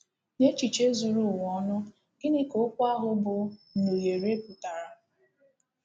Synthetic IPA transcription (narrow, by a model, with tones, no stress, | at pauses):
ne˦t͡ʃi˨t͡ʃe˦zu˨ɾʊ˦˨wɔ˦nʊ˦ | ɡ̥ɪ˦nɪ˦ko˨˦kʷa˦ɦʊ˦bʊ˨no˨je˨ɾe˦ku˨ta˨ɾa˨